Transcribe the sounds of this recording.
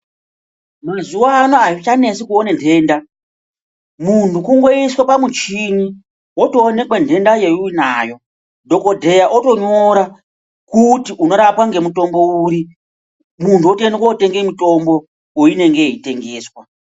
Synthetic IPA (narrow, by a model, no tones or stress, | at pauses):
mazuwanoait͡ʃane̞sikuonendʱe̞ːnda | muntʰukuŋɡo̞iswapamut͡ʃiɲi | wotoːne̞kwendʱe̞ndajeunaːjo̞ | dʱo̞ko̞dʱe̞jaʔoto̞ɲo̞ɾa | kutiuno̞ɾapwaŋɡe̞muto̞mbo̞uɾi | muntuotenekwaote̞ŋɡemito̞mbo̞ | woine̞ŋɡe̞ite̞ŋɡe̞ːswa